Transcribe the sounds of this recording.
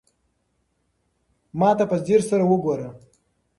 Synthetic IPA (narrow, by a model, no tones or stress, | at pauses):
mɑːt̪apəziɾsaɾawəɡoːɾa